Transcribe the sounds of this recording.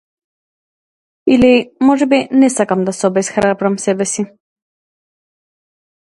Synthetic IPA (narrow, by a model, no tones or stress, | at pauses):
ilimɔʒɛbinɛsakamd̪asɔbɛsxɾabɾamsɛbɛsi